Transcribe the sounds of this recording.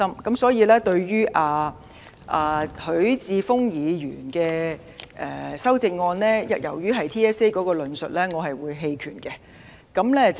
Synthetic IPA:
ɐ˥mkɐ˨˥msɔː˨˥jiː˨˧lɛː˥t̪ɵ˧ɥɥyː˥ʔaː˨ | ʔaː˨hɵ˨˥ɥt͡siː˧fʊ˥ŋjiː˨˧jyː˨˩nkɛː˧ | ʔɛː˨˩sɐ˥wt͡sɪ˧ŋ̚ŋɔː˧nlɛː˥jɐ˨˥t̚jɐ̰˨˩wjyː˥ɦɐ˨jt̪ʰiː˥ɛː˥se˥jkɔː˨˥kɔː˧lɵ˨˧nsɵ˨t̚lɛː˥ŋɔː˨˧ɦɐ˨jwuː˨˧jɦe˧jkʰy̰ː˨˩nkɛ˧ | kɐ˨˥mlɛː˥t͡s

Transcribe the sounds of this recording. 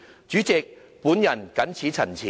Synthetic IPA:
t͡ʃyː˨˥t͡sɪ˨k̚ | pu˨˥njɐ˨˩nkɐ˨˥nt͡sʰiː˨˥t͡sʰɐ˨˩nt͡sʰiː˨

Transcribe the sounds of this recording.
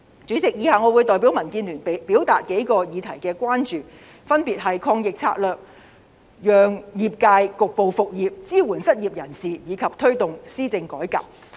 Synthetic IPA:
t͡syː˨˥t͡sɪ˨k̚jiː˨˧haː˨˧ŋɔ˨˧wuː˨˧jt̪ɔː˨jpiː˨˥wmɐ˨˩nkiː˧nlyː˨˩npe˨piː˨˥wt̪a̰ː˨t̚ke˨˥jkɔː˧jiː˨˧t̪ʰɐ˨˩jkɛː˧kʷwaː˥nt͡ʃyː˨ | fɐ˥npiː˨t̚ɦɐ˨jkʰɔː˧ŋjɪ˨k̚t͡sʰa̰ː˧t̚lœː˨k̚ | jœː˨ŋjiː˨p̚kaː˧jkʊ˨k̚po˨wfʊ˨k̚jiː˨p̚t͡siː˥wuː˨˩nsɐ˥t̚jiː˨p̚jɐ˨˩nsiː˨jiː˨˧kʰɐ˨p̚t̪ʰɵ˥ɥt̪ʊ˨ŋsiː˥t͡sɪ˧ŋkɔː˨˥jka̰ː˨p̚

